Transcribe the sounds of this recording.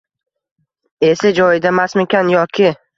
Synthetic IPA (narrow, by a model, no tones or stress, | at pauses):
e̞sɪd͡ʒɒjɪd̪amasmɪkʲʰanjɒkʲʰɪ